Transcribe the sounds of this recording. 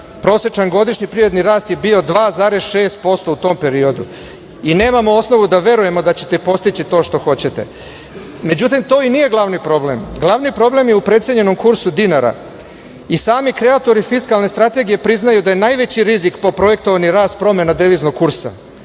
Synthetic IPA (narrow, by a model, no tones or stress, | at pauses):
pɾo̞sjet͡ʃanɡo̞d̪iʃɲipɾiɾe̞d̪niɾaːst̪je̞bio̞d̪ʋaːzaːɾesʃe̞ːst̪̚po̞st̪o̞ut̪o̞ːmpe̞ɾio̞d̪ṵ | ine̞ːmamo̞o̞sno̞ʋud̪aʋe̞ɾuje̞mo̞d̪at͡ɕet̪epo̞st̪it͡ɕit̪o̞ːʃt̪o̞xo̞t͡ɕe̞t̪e̞̰ | me̞d͡ʑut̪imt̪o̞ːinije̞ɡlˠaʋnipɾo̞ble̞mɡlˠaʋnipɾo̞ble̞mjeupɾet̪sjeɲe̞no̞mkuɾsud̪inaɾa̰ | isaːmikɾe̞at̪o̞ɾifiskalˠne̞st̪ɾat̪e̞ɡije̞pɾiznajud̪ajenajʋe̞t͡ɕiɾizikpo̞pɾo̞je̞k̚t̪o̞ʋaniɾaːst̪̚pɾo̞me̞nad̪eʋizno̞ɡkːuɾsa̰